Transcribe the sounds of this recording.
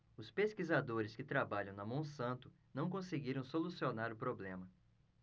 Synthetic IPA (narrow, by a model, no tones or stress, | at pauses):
ʊspeskizad̪oɾɪskɪt̪ɾabaʎɐ̃w̃nɐmɐ̃w̃sɐ̃nt̪ʊ | nɐ̃w̃kõseɡiɾɐ̃w̃solusionaɾʊpɾoblẽmɐ